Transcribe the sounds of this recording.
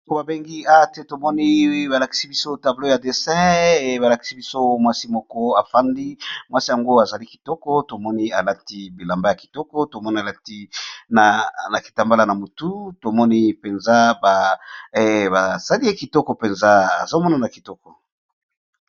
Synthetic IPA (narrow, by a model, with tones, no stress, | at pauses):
to˦ba˨be˦ŋɡi˦a˦te˨to˨mɔ˦ni˦ba˨la˨ki̥˨˦si˦bi˦so˦ta˨blo˦ja˨de˨sɛ̃˦˨ba˨la˨ki̥˨si˦bi˦so˦mwa˦si˦mɔ˦kɔ˦a˨fa˦ndi˦mwa˦si˦ja˨ŋɡo˦a˨za˨li˦ki̥˨tɔ˦kɔ˦to˨mɔ˦ni˦a˨la˦ti˦bi˨la˨mba˦ja˨ki˨tɔ˦kɔ˦to˨mɔ˦ni˦a˨la˦ti˦na˨na˨ki˨ta˨mba˦la˦na˨mo˨tu˦to˨mɔ˦ni˦pe˨nza˦ba˨ | ba˨sa˦li˦e˦ki˨tɔ˦kɔ˨pe˨nza˦a̰˨zo˦mɔ˦na˦˨na˨ki̥˨tɔ˦kɔ˨